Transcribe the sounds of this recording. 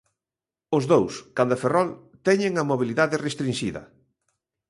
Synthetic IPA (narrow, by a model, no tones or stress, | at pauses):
ʊzðowskand̪ʊeferɔl | t̪ɛɲeŋɐmoβiliðaðɪrest̪ɾinʃiðɐ̰